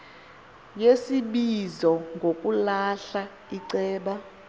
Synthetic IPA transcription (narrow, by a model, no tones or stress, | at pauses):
jesiɓizɔŋɡʱokʼulaɬa | iǀɛːɓa